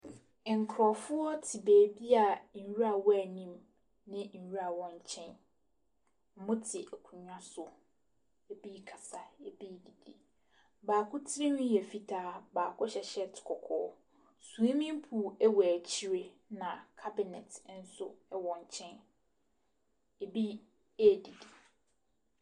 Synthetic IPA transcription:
ŋ̩˨kʰɾɔ˨fʊ˦ɔ˦tʰɪ˨beː˨bi˦a˨ɲ̩˨ɥu˦ɾa˨wɔ˦æ˨nĩ˦m | nɪ̃˦ɲ̩˨ɥu˦a˨wɔ̃˦ɲ˦˨t͡ɕʰɛ̃˦n | ɔ˨mʊ̃˦tʰɪ˨ʔɛ˨kʷʰũ˨ɲᶣã˦sʊ˨ | e˨bi˦kʰa˨sa˨e˨bi˦di˨di˨ | baː˨kʰʊ˦tʰɪ˦ɾi˦nũ˦jɛ˨fi˦tʰaː˦baː˨kʰʊ˦ɕɛ˨ɕɛ˦tʰɪ̥˨kʰɔ˨kʰɔ̰ː˦˨˦ | sũ˨e˦mĩ˦m˦pʰuː˨ɛ˦wɔ˨æ˨t͡ɕʰi˦ɾe˦ | nã˨kʰa˦bɪ˨nɛ˨tʰn̩˦sʊ˦ɛ˦wɔ̃˨ɲ˨t͡ɕʰɛ̃˦n | e˨bi˦ | æ˦˨di˨di˨

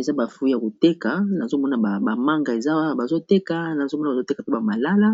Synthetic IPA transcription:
e˨za˦ba˨fu˦i˦ja˨ko˨te˦ka˨˦na˨zo˦mɔ˦na˨ba˨ba˨ma˦ŋɡa˨e˨za˦a˦ba˨zo˦te˦ka˨na˨zo˦mɔ˦n˨a˨o˦te˦ka˨to˦ba˨ma˨la˦la˦

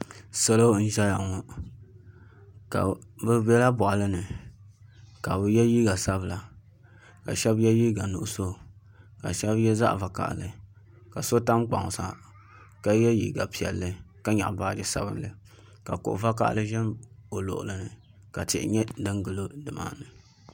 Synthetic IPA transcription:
sɛ˦lo˦n̩˦ʒɛ˦ja˨ŋɔ˦ | ka˨bɨ˦bɛ˦la˦bɔ˨ʔa˨lɨ˦nɨ˨ | ka˨bɨ˨jɛ˦ji˦ɡa˨sa˦bla˨ | ka̰˨ʃɛ˦bjɛ˦jiː˦ɡa˨nʊ̰˨ʔʊ˦˨so˦ | ka˨ʃɛ˦bjɛ˦za̰˦ʔva˨ka̰˨ʔlɨ˨ | ka˨so˦ta˦mk͡pa̰˨ŋ˨sa̰˨ | ka˦jɛ˦jḭ˨ɡa˨pi˨ɛ̰˨lːɨ˦ka˦ɲa̰˨ʔba˦dɨ˦sa̰˨bɨ˦nlɨ˨ | ka˨kʊ̰˨ʔʊ̰˨va˦ka̰˦ʔlɨ˦ʒɛ˦mo˨lo̰˨ʔʊ̰˨lɨ˨nɨ˨ | ka˨tɪ̰˨ʔɪ̰˨ɲɛ˦dɨ˦ŋɡɨ˨lo˦dɨ˨ma̰ː˦nɨ˨

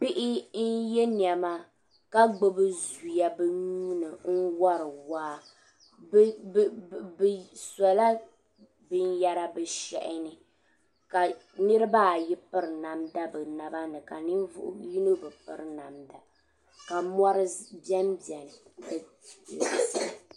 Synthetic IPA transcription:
pi˦ʔɪ˦n̩˦jɛ˦n˨a˨ma˦ | ka˦ɡ͡bo˦bɨ˦zu˨ja˦bɨ˦ɲu˦nɨ˨n̩˦wa˦ɾɨ˨waː˦˨ | sa˨la˦ | bɨ˦n˦ja˦ɾa˦bɨ˨ʃɛ̰˨ʔɪ˦nɨ˨ | ka˨ | nɨ˦ɾɨ˦baː˦˨ji˦pɨ˦ɾna˨mda˦bɨ˨na˨ba˦nɨ˨ka˨ni˦vʊ̰˦ʔji˦no˦bɨ˨pɨ̰˨ɾna˨mda˨ | ka˨mɔ˦ɾɨ˦bɛ˦mbjɛ˨n˨dɨ˦˨ | i˨˦sa˦˨

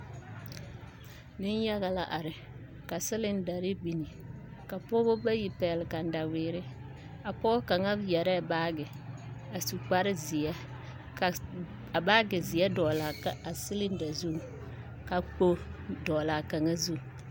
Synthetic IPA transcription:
dɪ˦n˦ja˦ɣa˨la˨ʔa˨ɾɪ˨ | ka˨sɪ˦lɪ˦n˦da˨ɾɪ˦bi˨ni˨ | ka˨pɔ˦bo˦ba˦ji˨pɛ˨lɪ˨ka˨n̩˨da˨wɪː˨ɾɪ˦ | a˨pɔː˦ka˨ŋa˦bjɛ˨ɾɛ˦˨baː˦ɡɪ˨ | a˨su˨k͡pa˦ɾɪ˦zi˨ɛ˦˨ | a˨baː˦ɡɪ˨zɪ˨jɛ˦dɔ˨la˨˦a˨sɪ˦lɪ˦n˦da˨zu˦˨ | ka˨k͡po˦dɔ˨la˨ka˨ŋa˦zu˦˨

